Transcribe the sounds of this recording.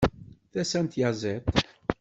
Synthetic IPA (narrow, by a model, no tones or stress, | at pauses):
θæsænt̪jaʁzet̪